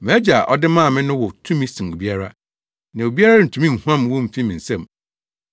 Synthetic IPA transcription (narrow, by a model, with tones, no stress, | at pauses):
m̃˨æ˦d͡ʑa˨ʔɔ˦dɪ˦mãː˦˨mɪ̃˦nʊ̃˦wɔ˨tʰũ˦mĩ˦sĩ˨ŋ˨o˨bi˦a˦ɾa˦ | nã˨o˨bi˦a˦ɾa˦n̩˨tʰu˨mĩ˦n̩˨hu˦ã˦mwɔ̃˦m̩˨fi˦mĩ˨n̩˨sɛ̃˦˨m